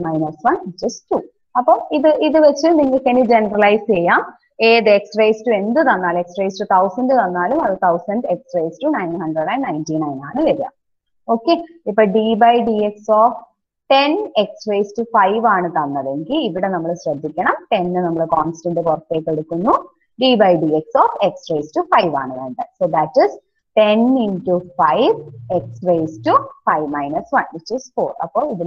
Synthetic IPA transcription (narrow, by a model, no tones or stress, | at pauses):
mɐjnɐrsʋɐnd͡ʑɐstuː | ɐpːoːiðɨʔiðɨʋet͡ɕːɨniŋːɐɭkɐnid͡ʑenɐrɐlɐjst͡ɕejaːm | eːðɨeksrejstue̞nd̪ɨt̪ɐnːaːleksrejsʈut̪ʰɐwsɐnɖɨt̪ɐnːaːlumɐðt̪ʰɐwsɐnɖe̞ksreːstunɐjnhɐɳɖreɽɐjnnɐjntinɐjnaːɳɨʋeɾija̰ːm | o̞ːkːe̞ːipːoːɭɖiːbɐjɖieksoːf | ʈeneksʋejsʈufɐjʋaːɳɨt̪ɐnːɐðeŋɡiliʋiɽenɐmːɐɭɨɕɾɐd̪ʱːikʲːɐɳɐmʈe̞nːɨnɐmːɐɭɨkoːnsʈɐɳɖɨkurɐt̪ːeːkːeɽukːunːu | ɖiːbɐjɖieksoːfeksʋeːsʈufɐjʋa̰ːɳɨðɐɳɖɐsoːd̪æʈːis | ʈeninʈufɐjʋeksʋejsʈufɐjʋmɐjnɐsʋɐnʋit͡ʃːiːsfoːrɐ̰pːoːiðu